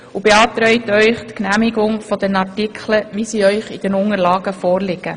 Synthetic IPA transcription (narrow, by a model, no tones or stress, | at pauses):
ubeɑːtɾœʏtœʏχtknæːmɪɡʊŋfɔd̥ɛnɑtikʰləʋiːsiːœʏχɪd̥ɛnʊŋəɾlɑːɡəfɔːɾlɪɡ̥ə